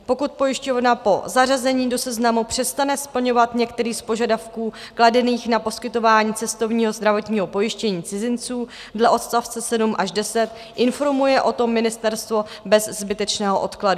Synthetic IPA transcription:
po̞kut̪̚po̞jɪʃco̞vnapo̞̰zarazɛɲiːdo̞sɛznamupr̝̥ɛst̪anɛspl̩ɲo̞vat̪ɲɛkt̪ɛɾiːspo̞ʒadafkuːkladɛniːxnapo̞skɪt̪o̞vaːɲiːt͡sɛst̪o̞vɲiːɦo̞zd̪ɾavo̞t̪ɲiːɦo̞po̞jɪʃcɛɲiːt͡sɪzɪnt͡suː | dlɛʔo̞t̪st̪aft͡sɛsɛdumʔaʒdɛsɛt̪ | ʔɪnfo̞ɾmujɛʔo̞t̪o̞mːɪnɪst̪ɛɾst̪vo̞ | bɛzːbɪt̪ɛt͡ʃnɛːɦoʔo̞t̪kladu

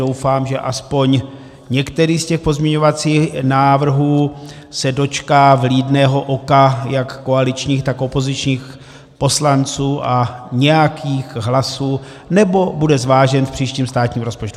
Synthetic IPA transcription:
o̞wfaːmʒɛʔaspo̞ɲ | ɲɛkt̪ɛɾiːscɛxpo̞zmɲɛɲo̞vat͡siːxnaːvr̩ɦuː | sɛdo̞t͡ʃkaːvliːdnɛːɦo̞ʔo̞kajakːoalɪt͡ʃɲiːxt̪akʔo̞po̞zɪt͡ʃɲiːx | po̞slant͡suːʔaɲɛjakʰiːxɦlasuː | nɛbo̞budɛzvaːʒɛnfpr̝̥iːʃciːmst̪aːt̪ɲiːmɾo̞spot͡ʃtu

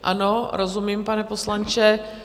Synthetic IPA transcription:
ʔa̰noɾozumiːmpanɛposlant͡ʃɛ

